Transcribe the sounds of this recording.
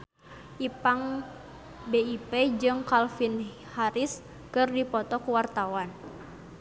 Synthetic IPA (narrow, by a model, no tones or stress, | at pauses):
ʔipaŋ | beiped͡ʒɨŋkalfin | haɾis | kɨrdipɔt̪ɔkuwart̪awan